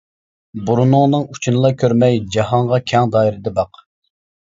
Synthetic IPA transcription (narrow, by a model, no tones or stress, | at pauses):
buɾunʊŋnɨŋut͡ʃʰunɨlˠɑkʲʰøɾmɛjd͡ʒɑɦɑŋʁɑkʲʰɛŋd̪ɑːiɾɪd̪ɛbɑq